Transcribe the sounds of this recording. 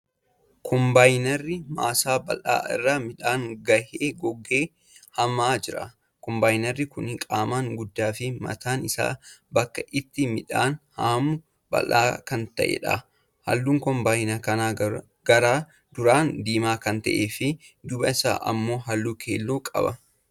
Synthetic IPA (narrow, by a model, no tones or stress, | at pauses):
kʰɔmbaːjnɛrːɪma̰ːsaːbɐ̰la̰ːɪ̰rːaːmɪᶑaːŋɡɐheːɡɔɡːeː | hɐmaːd͡ʒɪɾɐ̰ | kɔmbaːjnɛrːɪkʊnɪkʼaːmaːŋɡʊd̪ːaːfɪmɐ̰t̪ʰaːnɪsa̰ːbɐkːɐʔɪt̪ːɪmɪᶑaːnhaːmʊ | b̥ɐ̰lʔaːkɐnt̪ɐ̰ʔḛᶑɐ̰ | hɐ̰lːuːŋkɔmbaːjnɐkɐnaː | ɡɐɾaː | d̪ʊɾaːnd̪iːmaːkɐnt̪ɐ̰ʔeːfɪd̪ʊbɐɪsa̰ːʔɐ̰mːo̞ːɦɐlːuːkʰḛːlːoːkʼɐ̰bɐ